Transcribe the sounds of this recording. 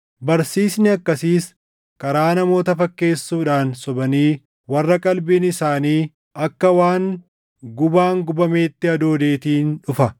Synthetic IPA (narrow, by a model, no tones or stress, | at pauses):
bɐɾsiːsnɪɐkːɐsiːs | kʼɐɾaːnɐmo̞ːt̪ɐfɐkːe̞ːsːuːᶑaːnsɔbɐniː | wɐrːɐkʼɐlbɪnɪsaːniː | ɐkːɐwaːŋ | ɡʊbaːŋɡʊbɐme̞ːt̪ːɪɐd̪oːd̪e̞ːt̪iːnᶑʊfɐ